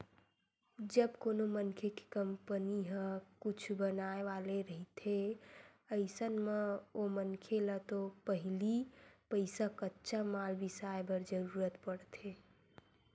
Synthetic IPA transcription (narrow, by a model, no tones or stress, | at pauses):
d͡ʒəbkoːnomənkʰeke̥kəmpəniɦə̃kut͡ʃʰbənaeʋaleɾəɦit̪ʰe | əɪsənmeomənkʰelət̪opəɦilipəɪsakətːʃʰamalbisaebəɾd͡ʒəɾuːɾət̪pəɽt̪ʰe